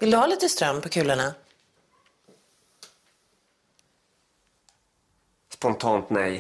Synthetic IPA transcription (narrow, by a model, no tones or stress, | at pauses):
vɪld̪ɵhaːliːt̪əst̪ɾœmːpʰɔkʰʉ̟ːləɳa | spɔnt̪ʰɑːnt̪nɛj